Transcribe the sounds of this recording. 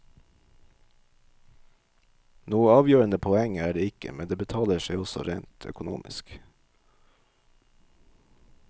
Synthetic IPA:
nuːəɑːʋjøːɾənəpʰɔɛŋæːɖeːɪkə̰mɛnd̪eːbət̪ʰɑːləʃeɪɔsɔ̰ɾeːnt̪ʰœ̰kʊnṵːmʔɪ̰sk

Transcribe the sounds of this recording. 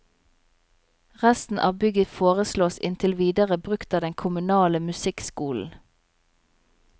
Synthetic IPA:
ʁæst̪n̩ʔɑ̰ːbʏɡəfoːʁəsloːsɪ̰nt̪ʰɪlʋiːd̪əʁəbʁʉkt̪ɑːd̪ɛŋkʰʊmʉnɑːləmʉsɪkskuːln̩

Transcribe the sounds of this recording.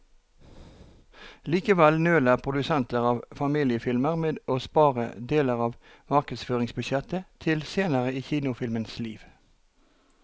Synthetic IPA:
liːkəʋɛlnøːlæːʁpʰʁʊd̪ʉsɛnt̪əʁɑːʋfɑmiːlɪəfɪlməʁmeːd̪ʔoːspɑːʁə̰d̪eːləʁɑːʋ | mɑʁkəd̪sføːʁɪŋsbʉʃjɛt̪ət̪ʰɪlseːnəʁəiːçiːnʊfɪlmənsliːʋ

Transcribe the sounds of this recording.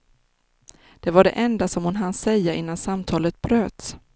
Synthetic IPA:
d̪̥ɛvaɖɛ̰ʔɛnd̪asɔmhʊnɦansɛjːaʔɪnːansamt̪ʰɑːlət̪̚bɾøːt̪

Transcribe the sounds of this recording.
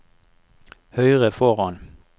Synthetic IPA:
hœʏʁəfɔʁɑn

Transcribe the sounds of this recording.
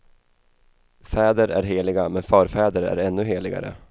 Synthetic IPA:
fɛːd̪əɾʔæɾɦeːlɪɡamɛnfœːɾfɛːd̪əɾæ̰ɾɛnːɵɦeːlɪɡa̰ɾə̰

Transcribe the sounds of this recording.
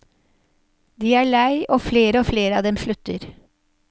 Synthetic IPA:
d̪iːæːɭæɪʔoːfleːɾəoːfleːɾəɑːʋd̪ɛmʃɭʉt̪əɾ

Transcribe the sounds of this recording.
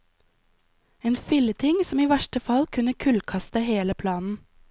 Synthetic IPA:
eːnfɪlət̪ʰɪŋsɔmiːʋæʃʈəfɑlkʰʉnəkʰʉlkʰɑst̪əheːləpʰlɑːnn̩

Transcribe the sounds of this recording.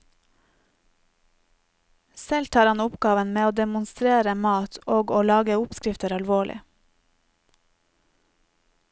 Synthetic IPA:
sɛlt̪ʰɑːɾhɑnʊpɡɑːʋənmeːoːd̪ɛmʊnst̪ɾeːɾəmɑːt̪ʰoːɡoːlɑːɡəʊpskɾɪft̪əɾɑlʋoːɭʔɪ̰

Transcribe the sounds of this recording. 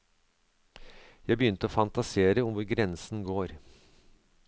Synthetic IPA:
jæɪbəjʏnt̪əoːfɑnt̪ɑseːɾəʊmʋʊɾɡɾɛnsn̩ɡoːɾ

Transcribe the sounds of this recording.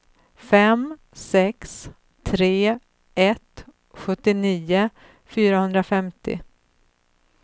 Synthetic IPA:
fɛm | sɛks | t̪ʰɾeː | ɛt̪ | ɧɵt̪ːɪniːʊ | fyːɾahɵnd̪ɾafɛmt̪ɪ̰

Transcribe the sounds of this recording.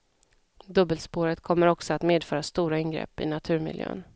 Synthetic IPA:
d̪ɵbːəlspoːɾət̪kʰɔmːəɾɔksɔat̪meːd̪fœːɾast̪uːɾaɪnɡɾɛ̰pːɪ̰nat̪ʰʉ̟ːɾmɪ̰ljø̰ːn

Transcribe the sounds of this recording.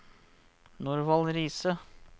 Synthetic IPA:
nuɾʋɑlɾiːsə

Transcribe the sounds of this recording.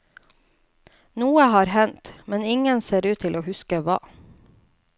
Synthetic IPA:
nuːəhɑːɾhɛnt̪mɛnɪŋənseːɾʉːt̪ʰɪlʔoːhʉskəʋɑ̰ː

